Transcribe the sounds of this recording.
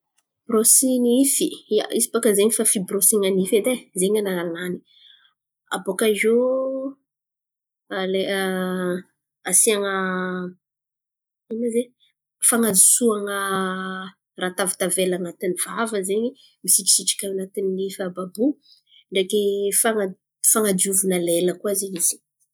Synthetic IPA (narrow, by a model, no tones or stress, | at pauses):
b̥ɾosinifiaisi̥pakəzeɲifafibrosiŋanifed̪ezeɲanaanani̥ | a̰bokaʒo | le | asiaŋə | inaze | faŋad͡zi̥suaŋə | rat̪avi̥t̪avelanat̪inivavəzeɲi | misiʈ͡ʂi̥siʈ͡ʂi̥kʲaanat̪inilifababu | ɳɖ͡ʐekefaŋa | faŋadiuvunaleləkuazeɲiz̥i̥